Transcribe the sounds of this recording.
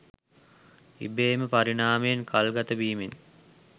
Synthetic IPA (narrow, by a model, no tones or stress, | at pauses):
ḭbeːməpaɾinaːməjenkʰalɡat̪əbiːmen